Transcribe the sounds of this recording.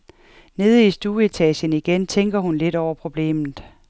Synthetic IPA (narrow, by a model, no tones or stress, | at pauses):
ne̝ːð̞ˠəisd̥uːe̝t͡sʰɛ̰ɕəniɡ̥ent͡sʰeŋ̰ɡ̥ɐhunle̝d̥ɒʊɐpʰʁo̝b̥le̝̰ːmð̩ˠ